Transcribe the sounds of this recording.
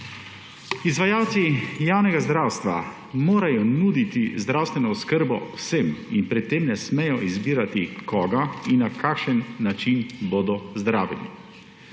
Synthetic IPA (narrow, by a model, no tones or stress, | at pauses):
izʋajaːwt̪sijaːwnɛɡazd̪ɾawst̪ʋa̰ | moːɾajɔnuːd̪it̪izd̪ɾawst̪ʋɛnɔːskəɾbɔ̰wseminpɾɛt̪ːemnɛsmɛjɔʔizbiːɾat̪ikɔːɡainːakʰakʃənːat͡ʃinboːd̪ɔzd̪ɾaːʋɛ̰lḭ